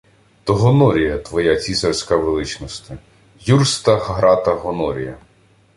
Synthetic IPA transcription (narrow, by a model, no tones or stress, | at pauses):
t̪ɔɦɔnɔɾʲijɐt̪ʋɔjat͡sʲisɐrsʲkaʋelˠɪt͡ʃnɔst̪ɪ | jurst̪ɐxɦɾɑt̪ɐɦɔnɔɾʲḭjɐ